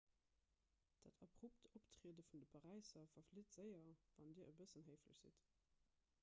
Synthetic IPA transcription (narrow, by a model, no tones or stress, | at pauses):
d̥a̰tʰɑbʁup̚toptʀiədəfundəpʰɑʁæɪsɐfɐflitz̥əɪɐvɑndiːəʔəbəsənɦəɪfləɕz̥ḭt